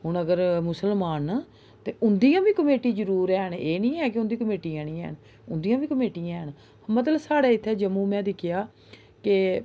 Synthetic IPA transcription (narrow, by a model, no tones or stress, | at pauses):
ɦʊɳəɡəɾmʊsəlmaːn | t̪eːʔʊnd̪iːãːbiːkəmeːʈiːd͡ʒəɾuːɾɛːɳeːnĩːɛːkɪʊnd̪iːkəmeːʈiːãːnĩːɛ̰ːɳ | ʊnd̪iːjãːbiːkəmeːʈijãːɳ | mət̪ləbsaːɽaːɪt̪ʰːɛːd͡ʒəmũːmɛ̃ːd̪ɪkʰːɪjaː | ke